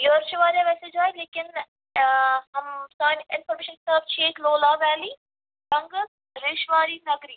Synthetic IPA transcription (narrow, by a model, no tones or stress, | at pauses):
joːɾt͡ʃʰʋaːɾjaːʋɛsed͡ʒɦaːjleːkɪn | ɦɐmsaːnɪnfəɾmeːʃənkst̪əft͡ʃʰeːkloːlaːʋæːliː | ʈɐŋɡ | ɾeːʃʋaːɾiːnɐɡɾiː